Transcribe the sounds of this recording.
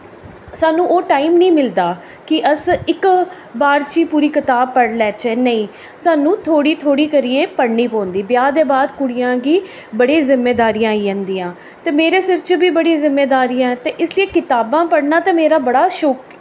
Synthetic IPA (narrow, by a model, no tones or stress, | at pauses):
saːnũːʔoːʈaːiːmnĩːmɪld̪aː | kɪʔəsɪk | baːɾt͡ʃiːpuːɾiːkɪt̪aːbpːəɽlɛːt͡ʃɛːnəĩː | saːnũːt̪ʰoːɽiːt̪ʰoːɽiːkəɾieːpəɽɳiːpɔ̃ːnd̪iːbjaːd̪eːbaːd̪kʊɽɪjãːɡiː | bəɽeːzɪmːeːd̪aːɾiːãːiːãːnd̪iːãː | t̪eːmeːɾeːsɪɾt͡ʃəbiːbəɽiːzɪmːeːd̪aːɾiːãːɛːt̪eːʔɪslieːkɪt̪aːbãːpəɽnaːt̪eːmeːɾaːbəɽaːʃɔk